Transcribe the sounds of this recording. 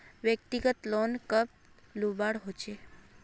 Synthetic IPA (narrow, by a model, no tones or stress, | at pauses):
ʋjəkt̪iɡət̪lɔnkəp̚ | lubaɽɦot͡ʃʰe